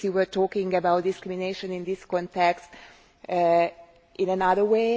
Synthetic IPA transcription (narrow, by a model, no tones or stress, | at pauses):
juwəɹtɔːkɪ̃ŋɡəbawt̚dɪskɹimineɪʃə̃nĩnd̪iskɔ̃ntɛkst | ʔɪ̃nənaðə˞we